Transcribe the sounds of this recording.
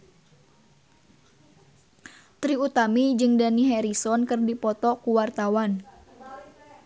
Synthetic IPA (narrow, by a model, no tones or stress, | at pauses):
t̪ɾiut̪amid͡ʒɨŋdaniɦɛɾisɔnkɨrdipɔt̪ɔkuwart̪awan